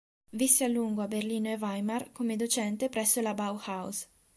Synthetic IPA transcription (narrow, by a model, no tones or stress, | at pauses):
visːealːuŋɡoaberliːnoevajmarkomed̪ot͡ʃɛnt̪epɾɛsːolabawhaws